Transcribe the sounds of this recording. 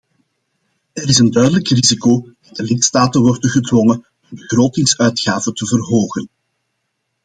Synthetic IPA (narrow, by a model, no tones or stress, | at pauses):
ɛɾɪsəndœɥdələkrizikod̥ɑdəlɪtstaːtənʋɔrdənɣədwɔŋə | ənbəɣroːtɪŋsœɥtxaːvətəvərɦoːɣən